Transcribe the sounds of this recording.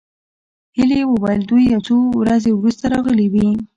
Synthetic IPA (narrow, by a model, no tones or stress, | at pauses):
hilewəwajld̪ujat͡sowɾazewɾust̪aɾɑɣəliwi